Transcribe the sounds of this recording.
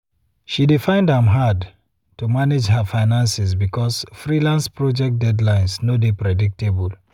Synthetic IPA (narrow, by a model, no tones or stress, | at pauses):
ʃidefãɪ̃ndãmɦad | tumaned͡ʒɦafaɪnãnsis̬bikʰɔsfɹilãnspɹɔd͡ʒɛk̚t̚dɛdlãɪ̃nsnodepɹɛdik̚tebul